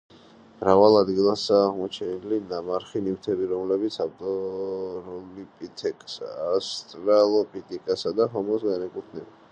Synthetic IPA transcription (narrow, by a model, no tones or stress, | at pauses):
mɾavalˠad̪ɡilˠasaːʁmɔt͡ʃʰɛnilinamaɾχinivt̪ʰɛbiɾɔmlɛbit̪sʰavt̪ʼɔ | ɾɔlipʼit̪ʰɛkʼsaast̪ʼɾalˠɔpʰʼit̪ʼikʼasad̪aɦɔmɔsɡanɛkʼuɾt̪ʰnɛba